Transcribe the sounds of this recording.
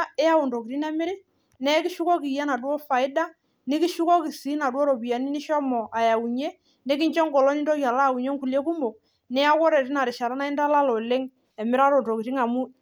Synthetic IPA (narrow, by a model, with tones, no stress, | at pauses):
ɛ˦a˦u˨ndɔ˨ki˨ɾi˦nɛ˦mɪ˦ɾɪ˦ | nɛ˦ki˦ʃu˦kɔ˦ki˨ja˦na˨dwɔ˦fa˨ɪ˦da˦ | nɪ˦ki˦ʃu˦kɔ˦ki˨si˨˦na˨dwɔ˦ɾɔ˨bi˨ja˨ni˦nɪ˦ʃɔ˦mɔ˨ʔa˨ja˨u˨ɲe˦ | nɛ˦ki˦ɲt͡ʃɔ˦ŋɡɔ˨lɔ˦ni˦ndɔ˦kja˨la˦˨u˨ɲɔ˦ŋku˨lje˦ku˦mo˨ | nɛ˦a˦kɔ˦ɾɛ˨ɾi˦na˨ɾɪ˨ʃa˨ɾa˦na˦i˦nda˦la˦lɔ˨lɪ˦ŋ | ɛ˨mɪ˦ɾa˦ɾɔ˨ndɔ˨ki˨ɾi˦ŋa˨mu˦